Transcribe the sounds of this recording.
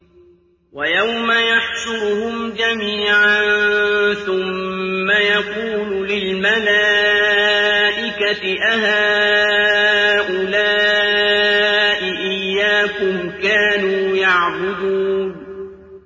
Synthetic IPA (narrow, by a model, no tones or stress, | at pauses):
wajawmajaħʃʊɾhʊmd͡ʒamiːʕanθʊmːajaquːlʊlɪlmala | ʔɪkatɪʔaɦaː | ʔʊlaː | ʔɪʔɪjːaːkʊmkaːnuːjaʕbʊd̪uːn